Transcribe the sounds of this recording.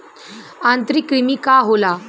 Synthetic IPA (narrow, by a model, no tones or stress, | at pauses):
ãnt̪ɾikːɾimiːkaɦola